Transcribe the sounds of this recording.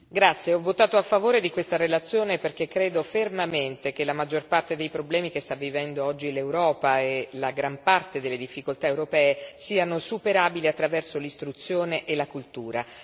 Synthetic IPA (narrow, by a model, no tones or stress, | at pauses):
ɡɾat̪sːjeɔvːot̪aːt̪oafːavoːɾed̪ikwest̪aɾelat̪sːjoːneperk̟ekːɾeːd̪ofermament̪ek̟elamad͡ʒːorpart̪ed̪ejpɾoblɛːmikest̪avːivɛnd̪oɔd͡ʒːilewɾɔːpaelaɡɾampart̪ed̪elːed̪ifːikolt̪aewɾopɛːesiːanosupeɾaːbiliat̪ːɾavɛrsolist̪ɾut̪sːjoːneʔelakult̪uːɾa